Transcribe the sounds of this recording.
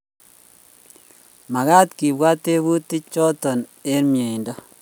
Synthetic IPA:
ma˨ɣa˦tki˨bwa˦te˦βu˦ti˦t͡ʃɔ˦tɔ˨ne˦ɾmje˨i˨ndɔ˦

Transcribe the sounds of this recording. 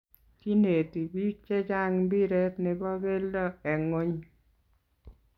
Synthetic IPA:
t͡ʃi˦ne˨ti˨bi˦t͡ʃɛ˦d͡ʒa˦ŋbi˦ɾe˦tnɪ˨bɔ˦be˦ldɔ˦ɛ˨ŋo˦ɲ

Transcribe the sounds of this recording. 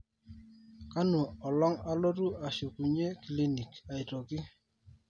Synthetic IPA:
ka˦nu˨ɔ˨lɔ˦ŋa˦lo˦tu˦a˨so˨ku˨ɲe˦ki˨li˦ni˨ka˨ɪ˨tɔ˨kɪ˦

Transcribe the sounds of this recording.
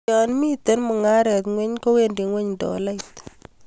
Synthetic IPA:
anmi˦t̪e˦nmʊ˨ŋa˦ɾɛ˨t̪ŋwɛ˦ɲko˦we˦ndi˨ŋwɛ˦ɲndɔ̰˨la˦jt̪

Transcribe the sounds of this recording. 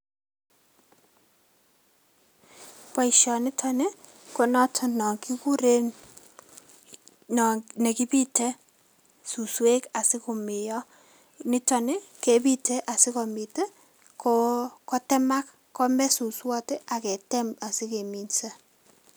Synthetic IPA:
pa˦i˨ʃɔ˨nɪ˦tʰɔ˨ne˦ | ko˨nɔ˦tʰɔ˨nɔ˨ŋki˦ku˦ɾe˦n | n˨ne˨ki˦pi˦te˦ | su˨swe˦ka˨sɪ˦ko˨mɪ˨jɔ˦ | nɪ˦tɔ˨ne˦ke˨pi˦tʰɛ˦ʔa˨sɪ˦kɔ˨mi˨te˦ | kɔkɔ˦tɛ˦ma˦k | kːɔ˦mɛ˦su˨swɔ˦te˦ʔa˨kɛ˨tɛ˦ma˨sɪ˦ke˨mi˨nsa˦

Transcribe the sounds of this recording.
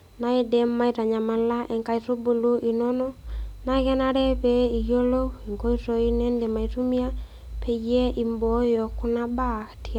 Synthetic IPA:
na˦i˦dɛ˦mːa˦i˦ta˨ɲa˨ma˨la˦ʔɛ˨ŋka˦˨i˨to˦bo˨lo˦ʔi˨nɔ˦nɔ˦na˦kɛ˦na˦ɾɛ˦pe˨˦i˨jo˦lo˦i˨ŋko˦i˦to˨i˦nɛ˦nde˨ma˨i˨tu˦mi˦a˦ | pʰe˨je˦ʔi˨mbo˨˦jɔ˨ku˦na˦ba˦˨kti˨a˨

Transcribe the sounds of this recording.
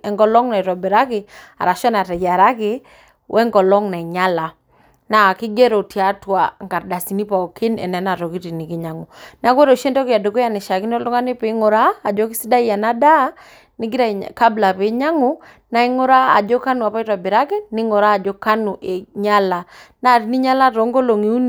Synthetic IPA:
ɛ˨ŋɡɔ˦lɔ˦ŋna˨i˨tɔ˨be˨ɾa˦ke˨a̰˨ɾa˨ʃɔ˦na˨tɛ˨ja˨ɾa˦ke˦ | wʔɛ˦ŋɡɔ˨lɔ˦ŋna˨i˨ɲa˦la˨ | na˨a˨kɪ˦ɡɛ˦ɾɔ˨ti˨a˦twa˨ŋɡa˨ɾda˨si˨ni˦pa˨ɔ˨ki˦nɛ̰˨nɛ˨˦na˨tɔ˨ki˦ti˨ni˨ki˦ɲa˨ŋu˨na˦kwɛ˦ɾo˨ʃe˦ntɔ˦ki˨a˨do˨ko˦ja˨ni˨ʃa˨ki˦n˦ɔ˦lɔ˦ŋa˦ne˦pe˨˦ŋo˨ɾaː˦˨d͡ʒɔ˦ki˦si˦da˦i˦ja˨na˦da˦ | ni˦ɡi˦ɾa˦˨ka˦bla˨pe˨˦ɲa˦ŋu˦ | na˦i˦ŋo˦ɾa˦a̰˨d͡ʒɔ˦ka˦nu˨a˨pa˦i˦twa˨be˨ɾa˦kɛ˦ni˦ŋo˨ɾaː˦˨d͡ʒɔ˦ka˦nu˨ʔe˨ɲa˦la˨na˦˨ti˨ni˦ɲa˦la˦tɔ˨˦ŋɡo˦lo˨ŋi˨u˦n

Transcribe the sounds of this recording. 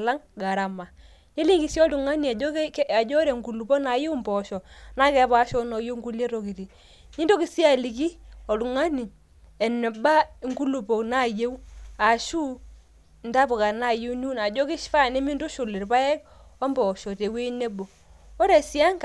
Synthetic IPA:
la˦ŋɡa˨ɾa˨ma˨ | ɲe˦li˦ŋɡi˨˦sjɔ˦tu˨ŋa˦ni˨a˨ɔ˦kka˨d͡ʒɔ˦ɾe˨ŋɡu˨lu˨po˦na˨je˦mbɔ˨ʃɔ˨na˦kɛ˦pa˦ʃɔ˦nɔ˨jo˦ŋɡu˦lje˦ɾo˨ki˨ti˨ | ɲi˦do˦kɪ˦si˦a˨li˨k̬i˦ɔ˨tu˨ŋa˦ni˨ | ɛ˨nɛ˨ba˦ŋɡu˦lu˨po˨kna˦˨je˦wu˦a˨ʃu˦ | nda˦pɔ˨ka˨na˦˨je˦wnu˦na˨d͡ʒɔ˦kɪ˦ʃfa˦˨ne˦mi˦ndo˦ʃʊ˨lɪ˨rpa˦ɛ˦k | ɔ˦mbɔ˨ʃɔ˨te˨we˦ne˦bo˨ | ɔ˦ɾɛ˨sja˦ŋk

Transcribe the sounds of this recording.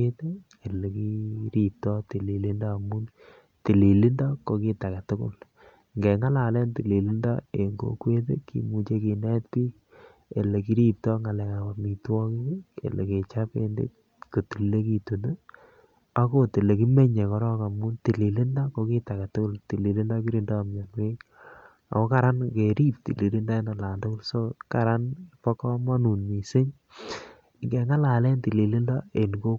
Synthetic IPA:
e˦te˦ | e˨le˨ki˦ɾi˦tɔ˦ti˨li˨li˦ndɔ˦˨mu˦n | ti˨li˨li˦ndɔ˦ko˨ki˦ta˨kɛ˨tʊ˦kʊ̰˦˨l | ŋɡɛ˨ŋa˦la˨le˦nti˨li˨li˦ndɔ˦e˨ŋɡo̰˨kwe˦t̬ḛ˦kḭ˨mu˨t͡ʃe˦ki˨nɛ˦t̚pi˦ | e˨le˨ki˦ɾi˦tɔ˦ŋa˨lɛ˨ka˨pa˨mi˨twɔ˦kɪ˦kḛ˨le˨ke˨t͡ʃa˦pe˦ndḛ˦t̚ | ko˨ti˨lle˦ki˦tu˨nə˦ | a˦ko˦te˨le˨ki˦me˦ɲe˨kɔ˦ɾɔ˦ka˨mu˦nti˨li˨lɪ˦ndɔ˦ko˨ki˦ta˨ka˨tʊ˦kʊ˦lti˨li˨lɪ˦ndɔ˦ki˦ɾi˦ndɔː˦˨mɲa˨nwe˦k | a̰˨ko˦kaɾa˦nke˨ɾi˦p̚tḭ˨li˨li˦nda˦e˦na˨la˨ntʊ˦kʊ˦lso˦ka˨ɾa˦npɔ˦kɔ˦mɔ˦nu˨nmi˨sɪ˦ɲ | ŋɡe˨ŋa˦la˨lɛ˦nti˨li˨li˦ndɔ˦e˨nɡo˦

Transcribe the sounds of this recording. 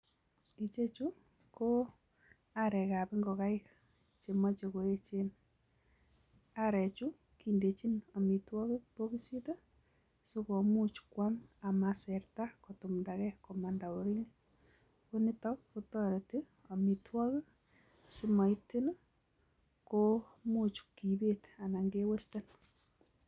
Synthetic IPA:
i˨t͡ʃe˦t͡ʃu˦ | ko˦ | aɾɛ˨ka˨pi˦ŋɡɔ˨ka˦ɪk | t͡ʃe˨ma˦t͡ʃe˨ko˨e˦t͡ʃe˦n | a˦ɾɛ˨t͡ʃu˦ | kinde˨t͡ʃi˦no˨mi˨twɔ˦ke˦k̚po˦ki˦si˦to˦ | so˦ko˨mu˦t͡ʃkwama˨masɛɾta˦kotumndakɛkoma˨nda˨o˨ɾi˦ɲ | koni˦tɔ˦k̚kutɔ˦ɾe˨ti˦ | o˨mitwɔ˦kə˦ | si˦ma˨iti˦n | ko | mut͡ʃki˨beta˨na˨ŋɡewe˦ste˦n

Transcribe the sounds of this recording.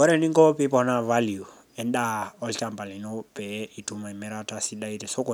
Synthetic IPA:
ɔ˦ɾe˨ni˦ŋɡɔ˦pi˦pɔ˨na˦va˦lju˨ | ɛ˨nɗa˦ɔ˦lt͡ʃa˨mba˨li˨no˦pɛ˨i˨tu˦ma˨i˨me˦ɾata˨si˦ɗa˦i˦ɾe˨so˦kɔ˨

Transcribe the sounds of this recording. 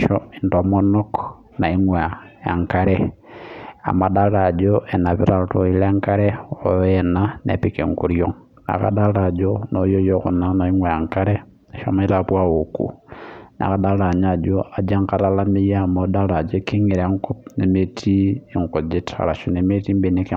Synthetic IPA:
ʃɔi˨nto˨mɔ˦nɔ˦k | na˨i˦ŋwa˨a˨ŋka˦ɾɛ˦ | a̰˨ma˨da˦la˨d͡ʒo˦ɛ˨na˨βḭ˦ɾa˨to˨i˦le˦ŋka˦ɾɛ˦o˨jɛ˨na˦nḛ˨pi˦kɛ̰˨ŋku˨ɾjɔ˦ŋ | na̰˨ka̰˦da˦la˨d͡ʒo˦no˦jo˦jo˦kṵ˨na˦na˨i˦ŋwa˨a˨ŋka˦ɾɛ˦˨ | ʃa̰˦ma˦i˦ɾa˨pwa˦o˨kṵ˨nʔa̰˨ka˦da˦la˨ɲa˨d͡ʒo˦a˨d͡ʒa˦ŋka˦ɾa˦la˦mi˦ja˦˨mo˨˦da˦ɾa˨d͡ʒo˦ki˦ŋi˨ɾa˦ŋkɔ˦p̚ne˨me˦tʰiː˦˨ŋko˨d͡ʒi˦tʰa̰˨ɾa˨ʃu˨ne˨me˦ti˦mbe˨ni˦k

